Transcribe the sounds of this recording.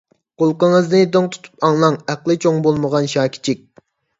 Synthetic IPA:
qolˠqəŋəznɨd̪oŋt̪ʰu̥t̪ʰu̥pʰɑŋlˠɑŋæqlˠɨt͡ʃʰoŋbolˠməʁɑnʃɑːkʲʰi̥t͡ʃʰik̚ʲ

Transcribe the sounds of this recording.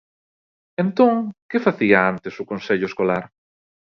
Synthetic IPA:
ẽnt̪õŋkɪfaθiaant̪esʊkõnseʎʊeskolaɾ

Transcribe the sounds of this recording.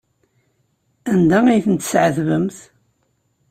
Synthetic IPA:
ænd̪aijθənt̪ːə̥sʕəðvəmθ

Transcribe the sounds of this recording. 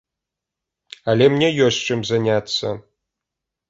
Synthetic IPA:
alʲemnʲejosʲt͡ʃʰɨmzanʲatt͡sːɐ̰

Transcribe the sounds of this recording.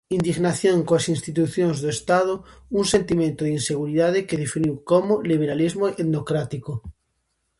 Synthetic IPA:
ind̪iɣnaθjoŋkoasinst̪it̪uθjonzðoest̪að̞ounsent̪imẽnt̪oðinseɣ̞uɾiðað̞ekeðefiniwkomoliβ̞eɾalizmoeðnokɾat̪iko

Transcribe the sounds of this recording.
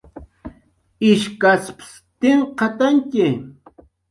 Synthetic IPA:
ɪʃkasps | t̪ɪɴqɑt̪aŋkɪ

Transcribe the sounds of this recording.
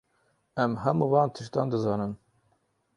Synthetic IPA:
ɛmɦɛmuːvɑːnt̪ʰɨʃt̪ɑːnd̪ɨzɑːnɨn

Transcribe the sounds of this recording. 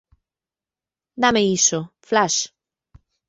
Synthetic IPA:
d̪ameisoflaʃ

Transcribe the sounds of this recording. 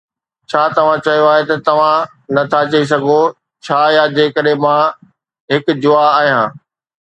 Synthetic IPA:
t͡ɕʰaːt̪ɐʋ̤ãt͡ɕɐijoaːɦet̪ɐt̪ɐʋ̤ã | nɐt̪ʰat͡ɕɐis̬ɐɡʱo | t͡ɕʰaːjad͡ʑeːkɐɗɦemã | ɦɪkd͡ʑʊaaːɦijãː

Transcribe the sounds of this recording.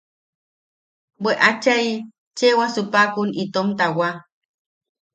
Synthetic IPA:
bweʔat͡ʃaj | t͡ʃewasupakunit̪omt̪awa

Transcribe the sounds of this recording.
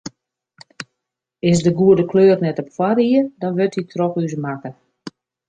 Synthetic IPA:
ɪsdəɡuədəkløːrnɛtɔpfwaɾiədɔnʋɪtitrɔxys̬makə

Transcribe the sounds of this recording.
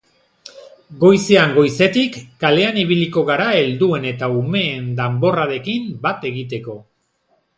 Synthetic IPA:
ɡo̞jse̞aŋɡo̞jse̞t̪ikːale̞aniβ̞iliko̞ɣaɾae̞ld̪ue̞ne̞t̪aume̞ːnd̪ambo̞raɾe̞kimbat̪e̞ɣit̪e̞ko̞

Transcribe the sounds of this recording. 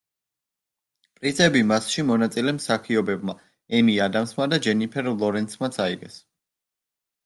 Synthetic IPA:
pʼɾizʰɛbimasʃimɔnat̪sʼilɛmsakʰiɔbɛbma | ɛmiad̪amsmad̪ad͡ʒɛnipʰɛɾlˠɔɾɛnsʰmat̪sʰaiɡɛs

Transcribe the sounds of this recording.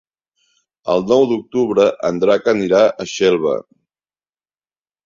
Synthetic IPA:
əlˠnɔwd̪uk̚t̪uβɾəʔənd̪ɾakəniɾaʔəʃɛlˠβ̞ə̰

